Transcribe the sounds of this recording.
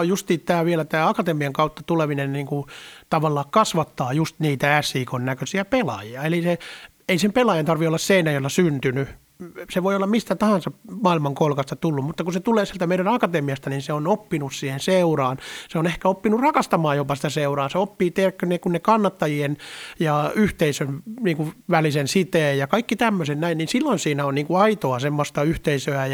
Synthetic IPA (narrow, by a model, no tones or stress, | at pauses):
just̪iːt̪t̪æːʋielæt̪æːɑkɑt̪emiɑŋkɑut̪ːɑ̥t̪uleminenniːŋkut̪ɑʋɑlːɑːkkɑsʋɑt̪ːɑːjust̪niːt̪ææsiːkonnækøsiæpelɑ̰jiɑelise | eisempelɑjɑnt̪ɑrʋiolːɑsseinæjolːɑsynt̪yny | seʋoiolːɑmmist̪æt̪ɑhɑ̃nsɑmɑːilmɑŋkolkɑst̪ɑt̪ulːummut̪ːɑkuset̪uleːsielt̪æmeiɾænɑkɑt̪emiɑst̪ɑninseonopːinussiːhenseurɑːnseonehkæopːinurrɑkɑst̪ɑmɑːjjopɑsi̥t̪æseurɑːseopːiːt̪erkːønːekunːekɑnːɑt̪ːɑjienjɑyht̪eisønniːŋkuʋælisensit̪eːjjɑkɑikːit̪æmːøsennæinninsilːoinsiːnæonniːŋkuɑit̪oɑsemːost̪ɑyht̪eisøæj